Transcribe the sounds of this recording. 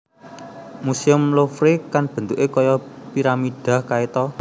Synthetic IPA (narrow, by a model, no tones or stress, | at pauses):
musiʊmlofɾikanb̥ə̤nt̪uʔekɔjɔpiɾamid̪̥ä̤hkait̪ɔ